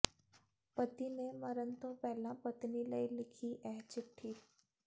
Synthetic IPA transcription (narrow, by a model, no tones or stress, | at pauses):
pət̪ineməɾənt̪õpɛɦlãpət̪niləilɪkʰiʔɛɦt͡ʃɪʈʰːiː